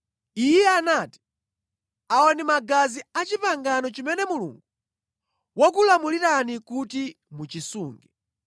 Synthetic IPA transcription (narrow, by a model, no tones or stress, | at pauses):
ijɛanati̥ | aɔnimaɡaziat͡ʃipaŋɡanɔt͡ʃimɛnɛmulṵŋɡu | wɔk̬ulamuliɾanikuti | mut͡ʃisuːŋɡɛ